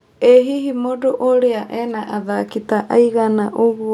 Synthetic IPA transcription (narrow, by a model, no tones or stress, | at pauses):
eɦiɦimodoʔoɾeaʔenaʔaðakit̪aʔajɡanaʔoɡu